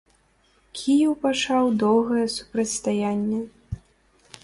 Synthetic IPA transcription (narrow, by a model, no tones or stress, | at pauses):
kʲʰijɛwpat͡ʂawd̪ɔwɣɐjɛsu̥pɾɐtʲst̪ajanʲːɛ